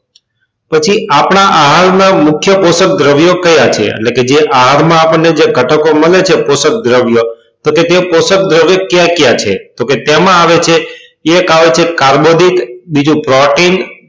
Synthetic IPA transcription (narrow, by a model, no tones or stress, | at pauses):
pət͡ʃʰiʔapɳ̃aʔaɦaɾnamʊkʰjəposək̚d̪ɾəʋjokəjat͡ʃʰḛḛʈleked͡ʒeʔaɦaɾmãapəɳːed͡ʒeɡʱəʈəkoməlet͡ʃʰeposək̚d̪ɾəʋjo | t̪oket̪eposək̚d̪ɾəʋjokjãkjat͡ʃʰet̪oket̪emãaʋet͡ʃʰe | ekaʋet͡ʃʰekaɾbod̪ʱikbid͡ʒũpɾɔʈin